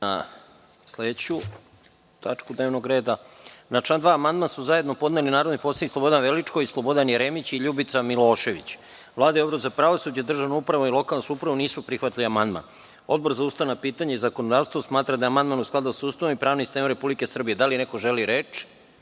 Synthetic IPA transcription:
a̰ | sledt͡ɕu | t̪at͡ʃkud̪neʋnoɡɾe̞ːd̪anat͡ʃand̪ʋaːmand̪mansuzaje̞d̪no̞po̞d̪nelinaːɾod̪niposanislo̞bo̞d̪anʋelit͡ʂkoislˠo̞bo̞d̪anjeɾeːmit͡ɕiʎubit̪samilˠo̞ːʃe̞ʋḭt͡ɕ | ʋlˠaːd̪ajobɾozapɾaʋosud͡ʑad̪r̩ʒaʋnoupɾaʋoilˠo̞kalˠnosuupɾaʋoniːsupɾixʋat̪liamand̪ma̰n | o̞̰d̪̚bo̞ɾzaust̪aʋnapiːt̪aɲeizakonod̪aːʋst̪vosmaːt̪ɾad̪aamand̪manusklˠad̪usust̪aʋomipɾaːʋnist̪eːmɾe̞publike̞sr̩bije̞d̪aline̞ko̞ʒeliɾe̞ːt͡ʃ

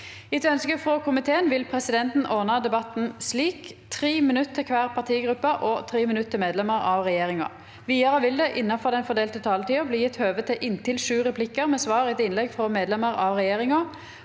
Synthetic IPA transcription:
ɪt̪œnskəfʁɔkʰʊmɪt̪ʰeːənʋɪlpʰʁɛsɪd̪ɛnt̪n̩ɔʁnɑd̪ɛbɑt̪n̩sliːkt̪ʰʁiːmɪnʉt̪ʰːəkʰʋæːʁpʰɑʁt̪ʰiːɡʁʉpːəʔɔt̪ʰʁiːmɪnʉt̪ʰːɪlmeːd̪lɛməʁɑʋʁɛjeːʁɪŋɑ̰ | ʋiːɑʁəʋɪld̪ɛʔɪnːɑfɔʁd̪ɛnfɔd̪eːlt̪ət̪ʰɑːlət̪iːəbliːjɪt̪ːhøːʋət̪ʰɪʔɪnt̪ɪlʂʉːʁɛpʰlɪkːəʁmɛsʋɑːʁɪɛt̪ɪnlɛɡfʁɔmeːd̪lɛməʁɑʋʁɛjeːʁɪŋɑ

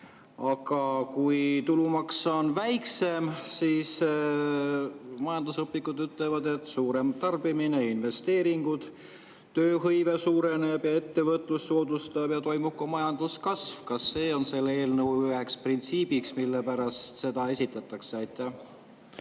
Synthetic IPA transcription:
ɑɡ̥ɑkujt̪ulumɑksɑonvæjkse̞msiːs | mɑjɑnd̪̥usɤpːikud̪yt̪levɑd̪e̞t̪ːˑsuːɾe̞mt̪ɑrb̥imine̞inve̞st̪e̞ːɾiŋɡ̥ud̪̥ | t̪ːøːhɤjve̞suːɾe̞ne̞b̥jɑe̞t̪ːe̞vɤt̪ˑlusːoːd̪ust̪ɑbjɑt̪o̞jmub̥̚komɑjɑnd̪̥uskɑsvkɑsːe̞ːonse̞lːe̞ːlnəwyɦeksprint̪siːb̥iksmilːe̞pæɾɑst̪se̞d̪̥ɑe̞sʲit̪ːˑɑt̪ːˑɑkseɑjt̪ːˑæh

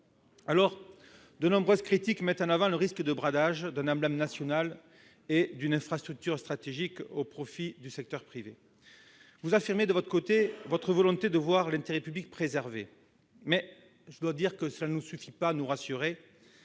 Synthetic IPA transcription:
alɔʁ | d̪ənɔ̃bʁøzkχit̪ikmɛt̪ɑ̃navɑ̃ləʁiskəd̪əbʁad̪aʒd̪ɛ̃nɑ̃blɛmnasjɔnal | ed̪ynɛ̃fχast̪χyk̚t̪yʁst̪χat̪eʒikopχɔfid̪ysɛk̚t̪œʁpχive | vuzafiʁmed̪əvɔt̪χəkot̪evɔt̪χəvɔlɔ̃t̪ed̪əvwaʁlɛ̃t̪eʁɛpyblik̚pχezɛʁve | mɛ | ʒəd̪wad̪iʁkəsəlanusyfipanuʁasyʁe

